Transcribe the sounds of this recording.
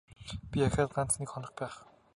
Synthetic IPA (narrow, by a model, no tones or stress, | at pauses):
pʲiaxʲaːt̪ɢan̥t͡s̪nikχɔnɞ̆χpæːχ